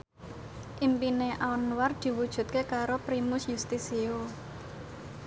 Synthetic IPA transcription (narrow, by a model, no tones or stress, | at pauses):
ʔimpineʔaɔnward̪̥i̤wud̥ʒ̥ṳt̪̚kekaɾopɾimʊsjust̪isio